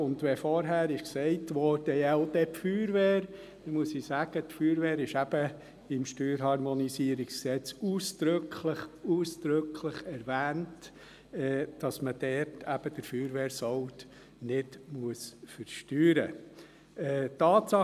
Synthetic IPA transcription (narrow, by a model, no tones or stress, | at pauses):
ʊndʋɛfɔɾɦæːɾɪʃksɛɪtʋɔɾd̥əjɛʊd̥ɛpfyːɾʋeːɾ | muəsisæɡ̥ətfyːɾʋeːɾɪʃæb̥ə | ɪmʃtyːɾɦɑɾmɔnisiːəɾɪksksɛt͡suːsd̥ɾʏkʰləχuːsd̪̥ɾʏkʰləχɛɾʋæːnt | ɛːd̥ɑsməd̥ɛtʰæb̥əd̥əɾfyːɾʋeːɾsɔʊt | nɪdmuəsfəɾʃtyːɾə | ɛtɑːtsɑ